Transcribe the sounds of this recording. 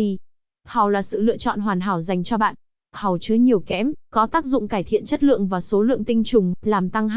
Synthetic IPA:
i˧ | ha˨˩wlaː˨˩sɨ̰˧˨lɨ̰˧˨ət͡ɕɔ̰˧˨nɦwaː˨˩nɦaː˧˩wza˨˩jŋ̟t͡ɕɔ˧ɓa̰ː˧˨n | ha˨˩wt͡ɕɨ˨˧˦jɲi˨˩əwkɛ˨˦mkɔ˨˦t̪aː˦˥k̚zʊ̰˧˨ŋ͡mkaː˧˩jt̪ʰḭ˧˨ənt͡ɕə˦˥t̚lɨ̰˧˨əŋvaː˨˩so˨˦lɨ̰˧˨əŋt̪i˧ŋ̟t͡ɕʊ˨˩ŋ͡mlaː˨˩mt̪a˧ŋ

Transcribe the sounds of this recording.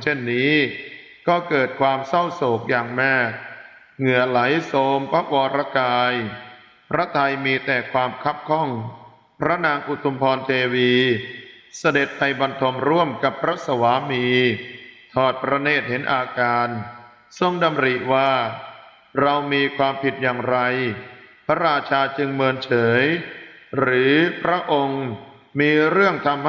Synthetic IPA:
t͡ɕʰe˥˩nːiː˦˥ | kɔː˥˩kɤː˨˩t̪̚kʰwaː˧msa˥˩wsoː˨˩˦k̚jaː˨˩ŋmaː˥˩k̚ | ŋɯ˨˩əla˩˦jsoː˧mpʰa˦˥wɔː˧ɾa˦˥kaː˧j | pʰɾa˦˥t̪ʰa˧jmiː˧t̪ɛː˨˩kʰwaː˧mkʰa˦˥p̚kʰɔ˥˩ŋ | pʰɾa˦˥naː˧ŋʔu˨˧˩t̪ʰu˧mpʰɔː˧nt̪ʰeː˧wiː˧ | sa˧de˨˩t̪̚pa˧jba˧nt̪ʰo˧mɾu˥˩əmka˨˩pʰːɾa˦˥sa˧waː˩˦miː˧ | t̪ʰɔː˨˩t̪̚pɾa˧neː˥˩t̪̚ɦe˩˦nʔaː˧kaː˧n | so˧ŋda˧mɾi˨˩waː˥˩ | ɾa˧wmiː˧kʰwaː˧mpʰi˨˩t̪̚jaː˨˩ŋɾa˧jpʰa˦˥ɾaː˧t͡ɕʰaː˧t͡ɕɯ˧ŋmɯː˧ənt͡ɕʰɤː˩˦jɾɯː˩˦pʰɾa˦˥ʔo˧ŋ | miː˧ɾɯ˥˩əŋt̪ʰa˧mh

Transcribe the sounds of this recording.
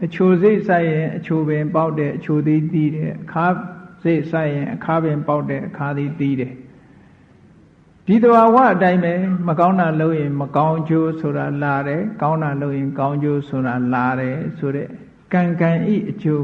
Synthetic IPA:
ʔət͡ɕʰo˨ze˦ɪʔsa˦ɪ˨jɪ̃˨ʔət͡ɕʰo˨bɪ̃˨mpa˦ʊtɛ˦˨ʔət͡ɕʰo˨d̪ði˦t̪i˦ɾɛ˨ʔəkʰa˦ze˦ɪʔsa˦ɪjɪ̃˨ʔəkʰa˦bɪ̃˨mpa˦ʊtːɛ̰˦˨ʔəkʰa˦d̪ði˦t̪i˦˨ɾɛ˨ | d̥i˨d̪əba˨wa̰˦˨ʔətã˦ɪ̃mbɛ˨məkã˦ʊ̃nda˨lo˦ʊʔjɪ̃˨məkã˦ʊ̃ɲd͡ʑo˦so˨ɾa˨la˨ɾɛ˨kã˦ʊ̃nda˨lo˦ʊʔjɪ̃˨kã˦ʊ̃ɲd͡ʑo˦sʰo˨ɾa˨la˨ɾɛ˨so˨ɾɛ̰˦˨ | kã˨ŋkã˨ʔḭ˦˨ʔət͡ɕo˨

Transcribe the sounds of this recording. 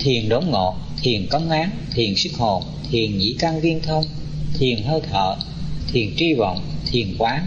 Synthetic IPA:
t̪ʰi˨˩ənɗo˨˦ŋ͡mŋo̰˧˨t̪ʰi˨˩ənkə˨˦wŋ͡mʔaː˨˦nt̪ʰi˨˩ənsɨ˦˥k̚ho̰˧˩ | t̪ʰi˨˩ənŋḭ˧˥ka˧ŋvi˧ənt̪ʰə˧wŋ͡m | t̪ʰi˨˩ənɦəː˧jt̪ʰə̰ː˧˨ | t̪ʰi˨˩ənt͡ɕi˧və̰˧˨wŋ͡mt̪ʰi˨˩ənkwaː˨˦

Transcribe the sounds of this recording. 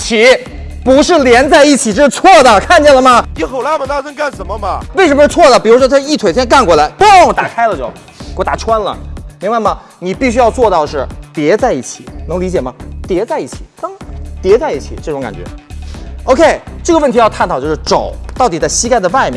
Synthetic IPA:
t͡ɕʰi˧˥ | pu˧˥ʂɻ̩˥˩ljɛ˧˥nt͡sa˥˧ɪi˥˩t͡ɕʰi˨˩ʂɻ̩˥˧t͡sʰwɔ˥˩d̪ə˩kʰa˥˧nt͡ɕɛ˥˩nlə˩mɐ˩i˧˥xo˨˩ʊla˥˩mə˨˩na˥˧ʈ͡ʂə˥nka˥˩nʂə˧˥nmə˧mɐ˨we˥˩ʂə˧˥məʂ̩˥˧˩t͡sʰwɔ˥˩d̪ə˩pi˨˩ɻu˧˥ʂwɔ˥t͡sʰa˥˧i˥˩t̪ʰwe˨˩ɪt͡ɕʰjɛ˥nka˥˩˧nkwɔ˥˩la˧˥ɪpo˥˨˩t̪a˨˩kʰa˥ɪlə˨˧t͡ɕjo˥˩ʊ | wɔ˧˩t̪a˨˩ʈ͡ʂʰwa˥nlə̰˨mi˧˥ŋba˥˧˩ɪmɐ˩ | ni˨˩pi˥˩ɕy˥jɑ˥˧ʊt͡swɔ˥˧t̪ɑ˥˧ʊʂɻ̩˥˩t̪jɛ˧˥t͡sa˥˧ɪi˥˩t͡ɕʰi˨˩˦nɤ˧˥ŋli˧˥t͡ɕjɛ˨˩mɐ˦t̪jɛ˧˥t͡sa˥˧i˥˩t͡ɕʰi̥̰˨˩˦kɑ˥ŋt̪jɛ˧˥t͡sa˥˧ɪi˥˩t͡ɕʰḭ˨˩˦ʈ͡ʂɤ˥˩ʈ͡ʂʊ˧˥ŋka̰˨˩nt͡ɕɥɛ̰˧˥ | o˧ʊkʰe˥˩ɪʈ͡ʂɤ˥˩ɡə˧wə˥˩nt̪ʰi˧jɑ˥˧ʊt̪ʰa˥˩nt̪ʰt͡ɕjʂ̩˥˩ʈ͡ʂo˨˩˦ʊt̪ɑ˥˩ʊt̪i˨˩t͡sa˥˩ɪɕi˥ka˥˩ɪd̪ə˩ʋa˥˩ɪmjɛ̰˥˧˩

